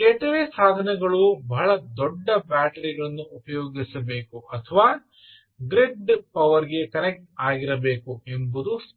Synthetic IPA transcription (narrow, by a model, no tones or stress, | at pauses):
ɛʈɐʋeːsaːd̪ʱɐnɛɡɐɭubɐɦɐɭɐd̪ɔɖːɐbaːʈɐɾiɡɐɭɐnːuːpɐjoːɡisɐbe̞ːkuʔɐt̪ʰɐʋaː | ɡɾeɖpɐʋɐɾiɡe̞kɐnɛk̚ʈaːɡiɾɐbe̞ːkuembud̪us